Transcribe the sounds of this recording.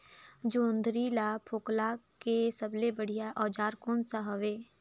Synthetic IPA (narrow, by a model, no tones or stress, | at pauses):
d͡ʒoːnd̪ɾilapʰoːklakesəblebəɽ̤ijaʔɔːd͡ʒaːɾkoːnsaɦɐʋeː